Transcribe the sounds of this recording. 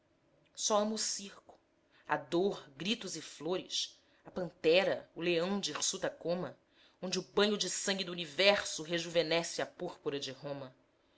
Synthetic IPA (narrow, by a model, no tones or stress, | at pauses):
sɔɐ̃mɐːsihkʊ̥ | ɐ̰d̪oɾɡɾit̪ʊzɪfloɾɪ̰s | ɐpɐ̃nt̪ɛɾɐuleɐ̃w̃d͡ʒisut̪ɐkõmɐ | õd͡ʒɪʊbɐ̃ɲʊd͡ʒɪsɐ̃ŋɡɪd̪uunivɛɾsʊɦeʒuvenɛsɪɐpuɾpuɾɐd͡ʒɪɦõmɐ